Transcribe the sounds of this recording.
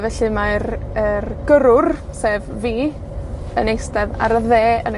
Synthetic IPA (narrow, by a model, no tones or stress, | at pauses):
vɛɬɨmaɾərɡ̥əɾʊrseːvviː | ənejstɛða̰ɾəðeːən